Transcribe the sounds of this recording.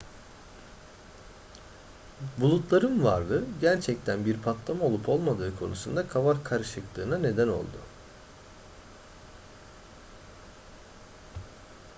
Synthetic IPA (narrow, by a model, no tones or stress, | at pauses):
bulˠut̪lˠaɾɯnvaɾlˠɯɟæɾt͡ʃʰɛct̪ʰænbiɾpʰat̪lˠamao̞lˠupʰo̞lˠmad̪ɯːkʰo̞̰nusund̪akʰavaɾkʰaɾɯʃɯklˠɯːnane̞d̪æno̞̰lˠd̪ʊ